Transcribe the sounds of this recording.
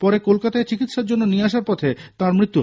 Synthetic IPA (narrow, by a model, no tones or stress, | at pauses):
pɔɾekolkat̪aet͡ɕikit̪ʃaɾd͡ʑonːonieaʃ̬aɾpɔt̪ʰet̪ãɾmɾit̪ːu